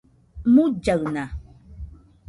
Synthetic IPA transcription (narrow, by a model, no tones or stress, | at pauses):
mud͡ʒaɰna